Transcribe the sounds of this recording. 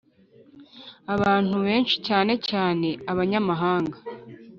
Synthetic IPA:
aβaːn̥uβe̞ːnʃi̥caːne̞caːne̞aβaɲamaɦaːŋɡa

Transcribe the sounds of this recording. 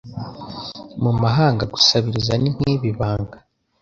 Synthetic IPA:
mumaɦaːŋɡaɡu̥saβiɾizanin̥hiːβiβaːŋɡa

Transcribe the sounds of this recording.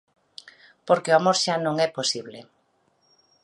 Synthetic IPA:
poɾkeoamoɾʃanõŋɛposiβle

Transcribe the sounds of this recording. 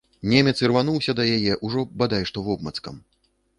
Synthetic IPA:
nʲɛmʲɛt̪sɨrvanuwsʲɐd̪ɐjajɛʔuʐɔbad̪ajʂt̪ɔvɔbmɐt̪skɐ̰m

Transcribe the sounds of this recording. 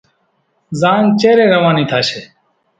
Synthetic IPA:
zaːnt͡ʃeːɾẽːɾəʋãːniːt̪ʰaːʃeː

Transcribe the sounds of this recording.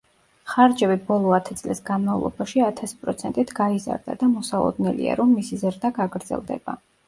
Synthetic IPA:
χaɾd͡ʒɛbibɔlˠɔat̪ʰɛt̪sʼlisɡanmavlˠɔ̰baʃiat̪ʰasi̥pʼɾɔt̪sʰɛnt̪ʼit̪ʰɡaiza̰ɾd̪a̰d̪amɔsalˠɔ̰d̪nɛlḭa̰ɾɔmːisizɾd̪aɡaɡɾd̪zɛ̰lˠd̪ɛ̰ba̰

